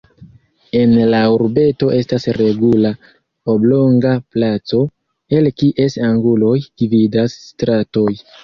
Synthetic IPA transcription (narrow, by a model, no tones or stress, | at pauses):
e̞nlauɾbe̞to̞ʔe̞stasɾe̞ɡula | oblo̞ŋɡaplat͡so̞ | e̞lkiʔe̞saŋɡulo̞jd̥ividasːtɾato̞j